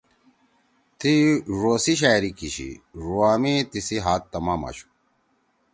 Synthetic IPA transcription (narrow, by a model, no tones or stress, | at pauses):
t̪iɾoːsiɕ̬aːjɾikiɕḭɾuaːmit̪isiɦaːt̪ːɐmaːmɐ̰ɕu̥